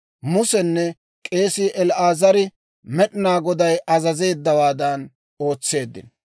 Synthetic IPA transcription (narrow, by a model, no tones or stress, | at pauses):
mʊsɛnːɛ | kʼe̞ːsɪːʔɛlʔaːzɐɾɪ | mɛɗɪnaːɡɔd̪ɐjʔɐzɐze̞ːd̪ːɐwaːd̪ɐn | o̞ːt͡sːe̞ːd̪ːɪ̰n